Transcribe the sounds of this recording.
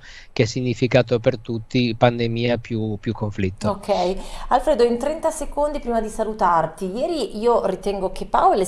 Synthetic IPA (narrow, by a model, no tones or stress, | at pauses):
keɛsːiɲːifikaːt̪opert̪ut̪ːipand̪emiːapjupjukʰːoɱflit̪ːookʰːɛjalfɾeːd̪oint̪ɾɛnt̪asekond̪ipɾiːmad̪isalut̪art̪ijɛːɾiʔiːorit̪ɛŋɡok̟epːaole